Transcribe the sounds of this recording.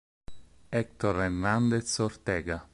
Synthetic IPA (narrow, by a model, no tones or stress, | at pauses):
ɛk̚t̪oɾernand̪et̪sɔrt̪ɛːɡa